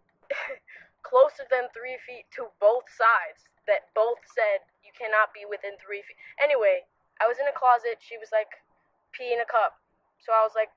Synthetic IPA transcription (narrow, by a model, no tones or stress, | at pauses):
kʰl̥oʊsə˞ðɨ̃nθɹifitʰəboʊθsaɪdz̥ | ðɨt̚b̥oʊθsɛd̚jɨkʰænɑt̚b̥iwɨθɪ̃nθɹifit̚ʔɛniweɪ | ʔaɪwʌzɨ̃nɨkʰl̥ɑzɨtʃiwʌzlaɪk | pʰiɪ̃ŋɨkʰʌp̚ | soʊaɪwʌzlaɪk̚